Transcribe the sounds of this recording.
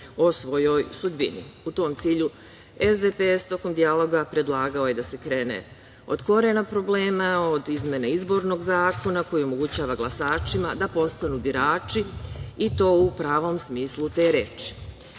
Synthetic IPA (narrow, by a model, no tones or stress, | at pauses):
o̞sʋo̞jo̞jsud̪bḭnḭut̪o̞ːmt̪siːʎu | ezd̪epest̪o̞ko̞md̪ialo̞ɡapɾe̞d̪lˠaːɡao̞je̞d̪ase̞kɾe̞ːnḛ | o̞̰d̪̥ko̞ɾe̞napɾo̞ble̞ːmao̞d̪izmʲjeneizbo̞ɾno̞ɡzaːko̞nako̞jio̞mo̞ɡut͡ɕaːʋaɡlˠasaːt͡ʃimad̪apo̞st̪anubiɾaːt͡ʃiit̪o̞ːupɾaːʋo̞msmiːslut̪e̞ɾeːt͡ʃi̥